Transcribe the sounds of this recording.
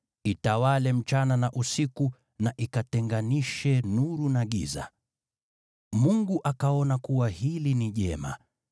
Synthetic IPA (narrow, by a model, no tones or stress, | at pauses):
itawalɛm̩t͡ʃananaʔusiku | naʔikatɛŋɡaniʃɛnuɾunaɠḭza̰ | muŋɡuʔakaɔnakuwahiliniʄɛ̰ma̰